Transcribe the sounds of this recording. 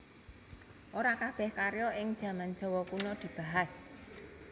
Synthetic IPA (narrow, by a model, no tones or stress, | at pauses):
ʔoɾakab̥ɛ̤hkaɾjɔɪŋd̥ʒ̥ä̤man̥d͡ʒ̥ɔ̤wɔkunɔd̪̥i̤b̥a̤ɦas